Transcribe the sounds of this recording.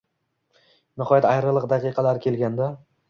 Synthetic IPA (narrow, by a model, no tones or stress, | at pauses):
nɪhɒjat̪ajɾɨlˠɨqd̪aqʰɨjqʰɑlaɾkʲʰe̞lɡʲand̪a